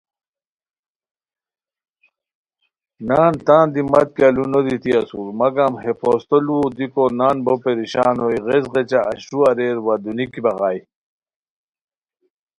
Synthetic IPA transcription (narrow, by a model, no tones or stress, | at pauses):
naːnt̪aːnd̪imɐt̪̚kalunod̪it̪iɐsuɾmɐɡaːmɦepost̪olud̪ikonaːnbopeɾiɕa̰ːnojʁezʁet͡ɕaʔːɕuɐɾeːɾwad̪unikibɐɣaːj